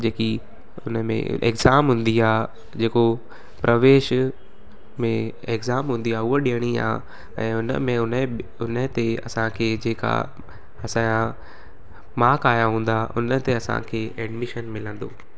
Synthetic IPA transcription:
d͡ʑeːki | ʊnəmḛ̃ʔḛkzaːmɦũːnd̪iaː | d͡ʑeːko | pɾʔɐʋeːʃ | mẽ | ekzaːmɦũːn̆d̪iaːʊɦoɗijəɽ̃ia̰ː | ɛ̃ːʊnə̰mẽʊnʊnət̪eɐ̰sãkʰeːd͡ʑeːka̰ | ɐsãa | maːkaːjaɦũːn̆d̪aʔʊ̰nət̪eɐsã̰kʰeːʔɛɖmɪʃənmɪlə̃nd̪o̰ː

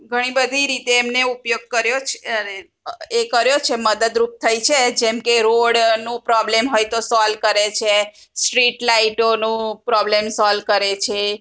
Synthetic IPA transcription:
ɡʱəɽ̃ibəd̪ʱiɾit̪eːmneupjoɡ̚kəɾjot͡ʃʰene | ekəɾjot͡ʃʰeməd̪əd̪ɾup̚t̪ʰəjt͡ʃʰed͡ʒemkeɾoɽnũpɾɔblemɦojt̪osɔlkəɾet͡ʃʰesʈɾiʈlaiʈonũpɾɔblemsɔlkəɾet͡ʃʰe

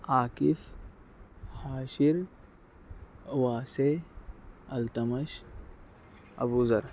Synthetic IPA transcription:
aːkif | haːʃiɾ | ʋaːse | ɐlt̪ɐmɐʃ | ɐ̰buzɐɾ

